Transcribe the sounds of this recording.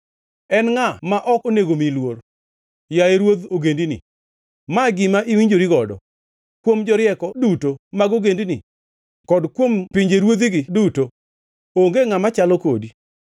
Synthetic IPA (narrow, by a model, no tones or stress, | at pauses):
ɛnŋamaʔɔkoneɡomilwor | jajeɾwod̪oɡendinɪ̰ | maɡɪmaʔiwiɲd͡ʒoɾiɡɔdɔ̰ | kwomd͡ʒɔɾɪjɛkɔdutomaɡoɡendini | kɔdkwompiɲd͡ʒeɾwod̪iɡɪduto | oŋɡeŋamat͡ʃalɔkodi